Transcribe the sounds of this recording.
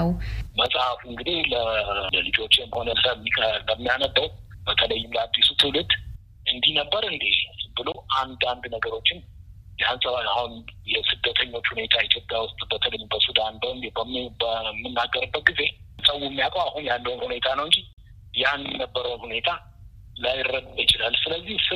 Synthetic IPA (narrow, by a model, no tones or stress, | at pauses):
məsʼhafuɨŋɡɨd̪ilələlɨd͡ʒo̞t͡ʃːɪmho̞nələmːiləmːijanəd̪ːəwb̥ət̪ʰələjːɪmləad̪ːisut̪ʰɨwlɨd̪ | ɨnd̪ihnəbːəɾɨnd̪ibɨlo̞ʔand̪and̪nəɡəɾo̞t͡ʃːɪn | jansəβahunjɛsɨd̪ːət̪ʰəɲːo̞t͡ʃːhune̞t̪ʰait̪ʰjo̞pʼjawʊst̪ʼbət̪ʰələjːmbəsud̪anbəbəmbəmːɨnːaɡːəɾɨbːət̪̚ɡize̞sʼəwːumːijakʼwahunjandəhunhune̞t̪ʰanəwɨnd͡ʒi | janːəbːəɾəwnhune̞t̪ʰa | lajɪrːəd̪ɨdjɪt͡ʃɪlalːsɨləzːihsɨ